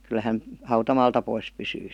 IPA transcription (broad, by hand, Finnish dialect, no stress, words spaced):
kyl hæn hɑutɑmɑːltɑ pois pysyː